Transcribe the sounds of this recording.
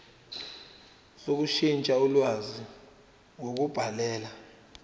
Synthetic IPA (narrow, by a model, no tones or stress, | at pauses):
sok̬uʃint͡ʃʼaulwazi | wok̬ub̥ʱalɛːla